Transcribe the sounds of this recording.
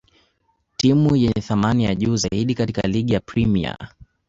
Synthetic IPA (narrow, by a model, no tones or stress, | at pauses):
timujɛɲɛθamanijaʄuːzaiɗikatikaliɠijapɾimḭa̰